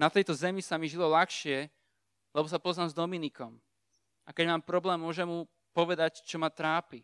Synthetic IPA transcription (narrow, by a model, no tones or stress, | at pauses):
nat̪ɛjt̪ɔzɛmisamiʒilɔlaxʃɪɛ | lɛbɔs̬apɔznaːmzd̪ɔminikɔm | ʔakɛɟmaːmpɾɔblɛːmːʊɔʒɛmɦu | pɔʋɛd̪act͡ʃɔmat̪ɾaːpi